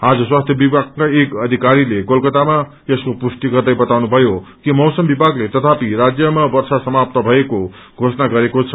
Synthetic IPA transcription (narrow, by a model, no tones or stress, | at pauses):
ad͡zʌswast̪ʰjʌbibaɡkaekʌd̪ʱikaɾileɡʌlkʌt̪ama | eskopusʈiɡʌrd̪ʌjbʌt̪awnubʱʌjokimʌwsʌmbibʱaɡlet̪ʌt̪ʰapiɾad͡zjʌmabʌrsasʌmap̚t̪ʌbʱʌeko | ɡʱosʌnaɡʌɾekot͡sʰʌ̥